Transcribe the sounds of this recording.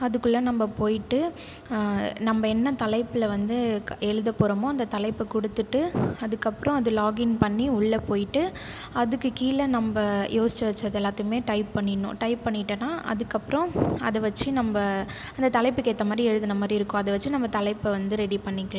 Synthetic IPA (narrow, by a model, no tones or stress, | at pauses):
ɐðɯkːɯɭːɐnɐmbɐpoːjɪʈːɯ | nɐmbɐɛnːɐt̪ɐlɐɪpːɯlɐʋɐnd̪ɯɛɻɯðɐpɔɾɐmʊ̃ɐnd̪ɐt̪ɐlɐɪpːɯkʊɽɯt̪ːɯʈːɯɐðɯkːɐpːɯɾɔ̃ɐðɯlaːɡɪnpɐɳːiʊɭːɐpoːjɪʈːɯ | ɐðɯkːɯkiːlɐnɐmbɐjʔoːsɪt͡ʃːɐʋɐt͡ʃːɐðɛlːaːt̪ːɯkmeːʈɐɪpːɐɳːɪnːʊ̰̃ʈɐɪpːɐɳːɪʈːɐnːaːʔɐ̰ðɯkːɐpːɯɾɔ̃ɐ̰ðɐʋɐt͡ʃːɯnɐmbɐ | ɐnd̪ɐt̪ɐlɐɪpːɯkeːʈ̪ːɐmaːd̪ɾiɛɻɯðɯnɐmaːd̪ɾiɪɾɯkːʊ̃ɐðɐʋɐt͡ʃːɯnɐmbɐt̪ɐlɐɪpːɯʋɐnd̪ɯɾɛɽipɐɳːɪkːɭã